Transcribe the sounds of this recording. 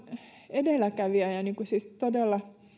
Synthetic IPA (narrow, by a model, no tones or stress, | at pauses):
edelækæʋiɑjɑniːŋkusiˑstt̪odelːɑ